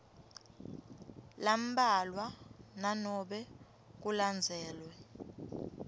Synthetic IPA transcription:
lam̩balwananɔɓɛ | k̬uland͡zʱɛːlwɛ

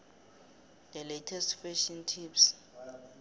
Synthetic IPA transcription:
d̪ɛletʰɛstfɛʃɔntʰips

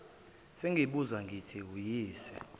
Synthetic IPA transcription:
seŋɡʱiɓuzwaŋɡʱitʰiujiːsɛ̥̰

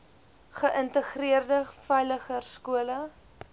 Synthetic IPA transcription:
χəʔəntəχriərdəfɛjləχərskuələ

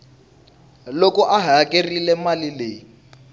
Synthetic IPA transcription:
lokɔʔaɦakʼerilɛmalileː

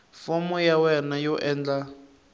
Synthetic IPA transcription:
fɔmɔjawɛnajɔʔɛːnd͡ɮa

